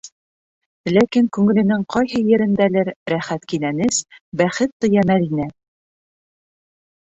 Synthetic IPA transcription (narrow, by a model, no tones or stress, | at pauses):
lækiŋkʉŋɘ̆lɘ̆nɘŋqɒjhɤjɘ̆ɾɘ̆nd̪ælɘɾɾæχæt̪kinænɘsbæχɘt̪ːŏjɑmæðinæ